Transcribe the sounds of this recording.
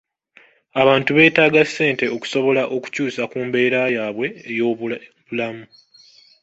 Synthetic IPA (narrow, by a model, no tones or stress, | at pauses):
aβaːntuβe̞ːtaːɡasːe̞ːnte̞oku̥so̞βo̞laʔo̞ku̥cuːsakuːmbe̞ːɾajaːβwe̞ːjoβulamu